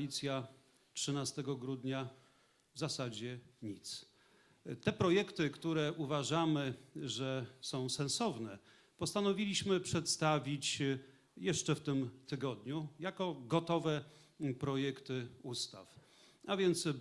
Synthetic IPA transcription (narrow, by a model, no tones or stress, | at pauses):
it̪sʲja | tʂɘnast̪ɛɡɔɡɾud̪ɲa | vzasad͡ʑɛɲit̪s | t̪ɛpɾɔjɛkt̪ɘkt̪uɾɛʔuvaʐamɘʐɛsɔ̃w̃sɛ̃nsɔvnɛ | pɔst̪anɔvʲilʲiɕmɘpʂɛt̪st̪avʲit͡ɕ | jɛʂt͡ʂɛft̪ɘmt̪ɘɡɔd̪ɲujakɔɡɔt̪ɔvɛ | pɾɔjɛkt̪ɘust̪a̰f | avʲjɛnt̪s